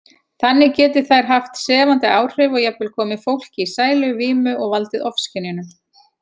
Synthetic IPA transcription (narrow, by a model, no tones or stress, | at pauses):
θanːɪcɛːt̪ɪθajɾ̥ɦaft̪sɛːvant̪ɪaːwr̥ɪvɔɣjɛvɪlkʰɔːmɪfowl̥cɪisaːjlʏviːmʏʔɔɣvalt̪ɪðɔfscɪnɪnʏ